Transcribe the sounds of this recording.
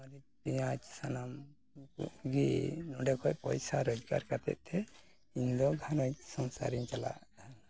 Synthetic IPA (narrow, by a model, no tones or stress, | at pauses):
maɾipiɲat͡ʃsanam | ɡinɔɖɛkɔcpɔ̰jsaɾɔd͡ʒɡa̰ɾkat̪ɛ̰ʔ̪̚ˀt̪ʰɛ | iɲd̪ɔɡʱanɔsɔnsa̰ɾiɲt͡ʃala̰